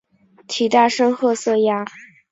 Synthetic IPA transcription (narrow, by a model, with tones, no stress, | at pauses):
t̪ʰi˨˩t̪a˥˩ʂɤ˥ŋxɤ˥˧sɤ˥˩ja˥